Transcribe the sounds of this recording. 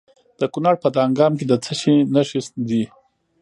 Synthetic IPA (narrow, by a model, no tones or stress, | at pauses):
d̪̥əkunɑɽpət̪ɑŋɡɑːmked̪ət͡səʃinaʂisd̪i